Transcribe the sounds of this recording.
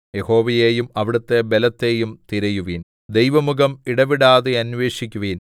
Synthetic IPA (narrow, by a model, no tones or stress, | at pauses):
jeho̞ːʋɐjeːjumɐʋiɽɐt̪ːe̞belɐt̪ːe̞ːjumt̪iɾɐjuʋiːn | d̪ejʋɐmuɣɐmiɽɐʋiɽaːðeɐnʋe̞ːɕikʲːuʋiːn